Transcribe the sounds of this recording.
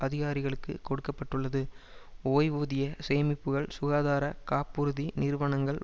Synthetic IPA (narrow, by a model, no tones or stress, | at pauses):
ʔɐðɪɣaːɾɪɣɐɭɯkːɯkɔɽɯkːɐpːɐʈːɯɭːɐðɯoːjʋuːðɪjɐseːmɪpːɯɣɐɭsʊɣaːðaːɾɐkaːpːɯɾɯðinɪɾʋɐɳɐŋɡɐɭ